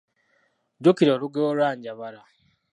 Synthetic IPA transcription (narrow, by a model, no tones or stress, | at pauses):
ɟukiɾoːɾuɡoɾwaːɲɟaβaɾa